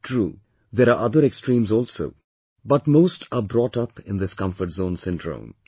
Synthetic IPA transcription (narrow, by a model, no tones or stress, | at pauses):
ʈʰɾuː | d̪eɾaɾʔʌd̪əɾeksʈɾĩːmzɔːlso̰ʊ | bʌʈmoːsʈʰabɾɔːʈʌpɪ̃nd̪ɪskʌ̃ɱfəɾʈzõːnsɪ̃nɖɾõ̰ːm